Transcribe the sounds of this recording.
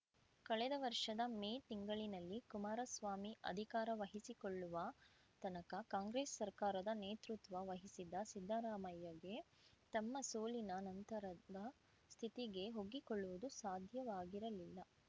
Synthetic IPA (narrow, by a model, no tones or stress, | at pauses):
kɐɭɛd̪ɐʋɐɾʂɐd̪ɐmeːt̪iŋɡɐɭinɐlːikumaːɾɐsʋaːmiʔɐ̰d̪ʱikaːɾɐʋɐɦisikoɭːuʋɐ | t̪ɐnɐkɐkaːŋɡɾeːsːɐɾkaːɾɐd̪ɐneːt̪ɾut̪ʋɐʋɐɦisid̪ɐsid̪ʱːaːɾaːmɐjɐɡe̞ | t̪ɐmːɐsoːlinɐnɐnt̪ɐɾɐd̪ɐ | st̪ʰit̪iɡe̞ɦo̞ɡːikoɭːuʋud̪usaːd̪ʱjɐʋaːɡiɾɐlilːɐ